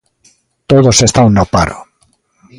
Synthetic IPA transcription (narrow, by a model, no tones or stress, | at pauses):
t̪oðosest̪awnopa̰ɾo̰